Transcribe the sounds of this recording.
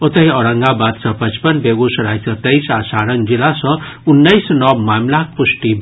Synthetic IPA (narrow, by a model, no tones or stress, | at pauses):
ot̪əjɔɾəŋɡabad̪sʌ̃pət͡ʃpənbeɡusɾajsʌt̪əjsasaɾənd͡ʒilasʌ̃unːəjsnʌbmamlak̚pusʈi